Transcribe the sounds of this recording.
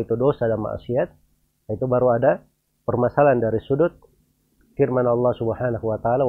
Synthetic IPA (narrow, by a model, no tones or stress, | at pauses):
it̪udosadanma̰ʔsiat̪̚ | jait̪ubaɾuada | pərmasalandaɾisudʊt̪̚ | firmanɑlːɑhsubhanahuwat̪aaːla